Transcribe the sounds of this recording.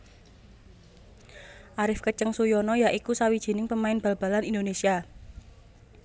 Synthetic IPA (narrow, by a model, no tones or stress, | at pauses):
ʔaɾɪfkət͡ʃəŋsujɔnɔjaʔikusawid̥ʒ̥i̤nɪŋpəmaɪnb̥a̤lb̥a̤lanindonesia